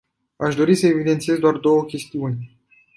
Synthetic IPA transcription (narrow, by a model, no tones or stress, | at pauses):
aʃd̪o̞ɾisəevid̪e̞nt̪sije̞zd̪oard̪o̞wəkʲe̞st̪iunʲ